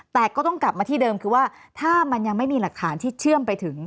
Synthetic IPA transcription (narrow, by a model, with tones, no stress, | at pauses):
t̪ɛː˨˩kɔː˥˩t̪ɔ˥˩ŋkla˨˩p̚maː˧t̪ʰiː˥˩dɤː˧mkʰɯː˧waː˥˩t̪ʰaː˥˩ma˧nja˧ŋma˥˩jmiː˧la˨˩k̚t̪ʰaː˩˦nt̪ʰiː˥˩t͡ɕʰɯ˥˩əmpa˧jt̪ʰɯ˩˦ŋ